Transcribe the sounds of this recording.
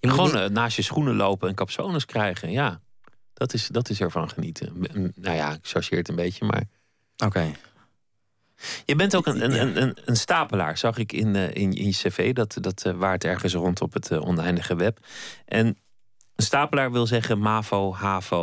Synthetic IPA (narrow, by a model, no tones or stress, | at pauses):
χəʋownnaːsjəsχunəlowpəɛnkɑpsownəskrɛjχənjaː | d̥ɑtɪsdɑtɪsɛɹvɑnχənitʰə̰noja̰ɪkʃɔɹʃɪːɹətəmbejcəma̰ːɹ | oke | jəbɛntowkənənənənənstaːpəla̰ːɹz̥ɑχɪkɪ̰nɪ̰nɪ̰njəsevejdɑtdɑtʋaːɹtɛɹχəns̬rɔntɔpətʰɔ̰nɛjndəχəʋɛpʔɛn | ənstaːpəlaːɹʋɪlˠzɛχənmaːfowɦaːfo